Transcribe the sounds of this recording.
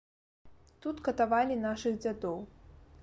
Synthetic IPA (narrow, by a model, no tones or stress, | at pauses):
t̪ut̪kɐt̪avalʲinaʂɨɣd͡zʲad̪ɔw